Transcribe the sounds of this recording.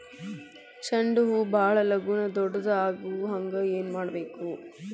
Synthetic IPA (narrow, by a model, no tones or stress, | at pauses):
t͡ʃɐɳɖuɦubʱaːɭɐlɐɡunɐd̪ɔɖːɐd̪ɐaːɡuɦɐŋɡɐeːnmaːɽɐbe̞ːku